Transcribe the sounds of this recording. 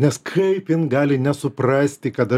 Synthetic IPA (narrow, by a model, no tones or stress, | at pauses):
nʲɛskʰɐɪpjɪnɡɑːlʲɪnʲɛsʊpɾɑːsʲt̪ʲɪkɐt̪ɐ